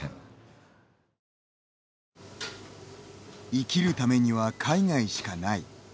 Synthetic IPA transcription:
ḛ̃ | ikʲiɾɯ̟t̪ame̞ɲ̟iβakʰaiŋaiɕi̥kanai

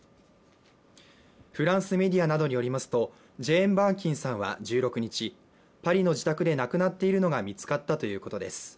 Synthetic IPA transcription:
ɸɯ̟ɾãɰ̃sɨme̞dʲianad̪o̞ɲ̟ijo̞ɾʲimasɨ̥t̪o̞ | ʑẽ̞ːmbãŋkʲĩɰ̃sãɰ̃βa̰d͡ʑɨːɾo̞kɯ̟ɲ̟it͡ɕi | paɾʲino̞d͡ʑit̪akɯ̟d̪e̞nakɯ̟nat̪ːe̞iɾɯ̟no̞ɡamʲit͡sɨ̥kat̪ːat̪o̞jɯ̟ːko̞t̪o̞d̪e̞sɨ̥

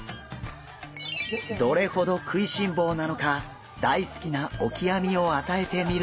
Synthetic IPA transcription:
d̪o̞ɾe̞ho̞d̪o̞kʰɯ̟iɕĩmbo̞ːnano̞ka | d̪̥aisɨ̥kʲinao̞kʲiamʲio̞at̪ae̞t̪e̞mʲiɾ

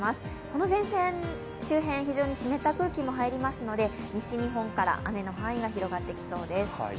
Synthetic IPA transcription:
masɨ̥ | ko̞no̞zẽ̞ɰ̃sẽ | ɕɨːɦẽ̞ɰ̃çiʑo̞ːɲ̟iɕime̞t̪akɯ̟ːkʲimo̞ɦaiɾʲimasɨno̞d̪e̞ | mʲiɕiɲ̟iɦõ̞ŋkaɾa̰ʔame̞no̞ɦãɰ̃iɡaçiɾo̞ɡat̪ːe̞kʲi̥so̞ːd̪e̞sɨ̥

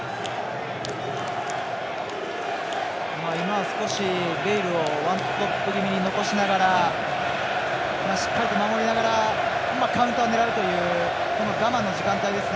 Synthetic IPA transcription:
maːimaβasɨ̥ko̞ɕiɾeiɾɯ̟o̞βãnt̪oppːɯɡʲimʲiɲ̟ino̞ko̞ɕinaɡaɾa | maːɕi̥kːaɾʲit̪o̞mamo̞ɾʲinaɡaɾa | makãɯ̟̃nt̪o̞ane̞ɾaɾɯ̟t̪o̞jɯ̟ː | ko̞no̞ɡamãnːo̞ʑikãnt̪aid̪e̞sɨne

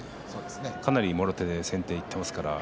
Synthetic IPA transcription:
soːd̪esnekanaɾʲimo̞ɾo̞t̪e̞d̪e̞sẽ̞nt̪e̞ːit̪ːe̞masɨ̥kaɾa

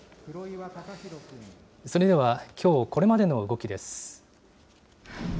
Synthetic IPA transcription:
ɾao | so̞ɾe̞d̪e̞βakʲʰo̞ːko̞ɾe̞mad̪e̞no̞ɯ̟ɡo̞kʲid̪e̞sɨ̥

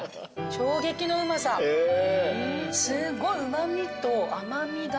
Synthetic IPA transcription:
ɕo̞ːɡe̞kʲino̞ɯ̟masa | sɨɡoɯ̟mamʲit̪oʔamamʲid̪

